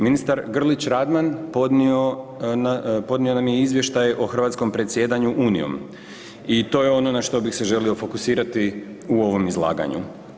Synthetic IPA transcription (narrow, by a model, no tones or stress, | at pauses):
minist̪aɾɡr̩lit͡ɕɾad̪manpod̪nionpo̞d̪nio̞namjeizʋje̞ʃt̪ajeʔoxr̩ʋat̪sko̞mpɾe̞t̪sje̞ːd̪aɲuʔuːnḭjo̰m | it̪o̞ːjeo̞no̞naʃt̪o̞bixse̞ʒe̞lio̞fo̞kusiːɾat̪i | uo̞ʋo̞mizlˠa̰ːɡa̰ɲṵ